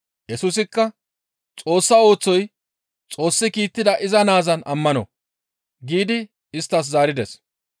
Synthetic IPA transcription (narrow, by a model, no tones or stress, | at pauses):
jɛsuːs̬ɪkːɐ | t͡sʼo̞ːsːɐo̞ːt͡sːɔj | t͡sʼo̞ːsːɪkiːt̪ːɪd̪ɐʔɪzɐnaːzɐnɐmːɐnɔ̰ | ɡiːd̪ɪ | ɪst̪ːɐs̬zaːɾɪd̪ɛs